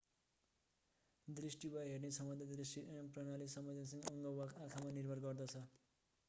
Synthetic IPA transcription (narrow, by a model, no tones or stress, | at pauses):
d̪risʈibʌɦernesʌmbʌnd̪ʱʌd̪risʈiprʌnalisʌmʌd͡zasʌŋɡʌŋɡʌakʰamanirbʱʌrɡʌrd̪ʌt͡sʰʌ